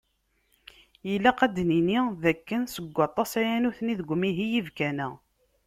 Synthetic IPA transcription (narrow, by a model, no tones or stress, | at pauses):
jəlːæqæd̪niniðækːənsəɡʷːɑt̪ˤːɑsæjænuθniðəɡʷːmiɦijivkænæ